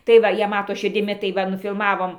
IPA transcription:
tɐɪ ˈʋɐ ˈjiɛ ˈmɑːtoː ʃʲɪrʲdʲɪˈmʲɪ tɐɪ ˈʋɐ nʊfʲɪlˠmɐˈʋoːm

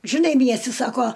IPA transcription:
ʒʲɪˈnɐɪ ˈmʲiɛsʲtʲɪ ˈsɑːkoː

